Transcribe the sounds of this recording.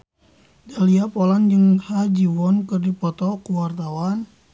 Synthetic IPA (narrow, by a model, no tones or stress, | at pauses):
daliapɔland͡ʒəŋhad͡ʒiwɔnkɨrdipɔt̪ɔkuwart̪awan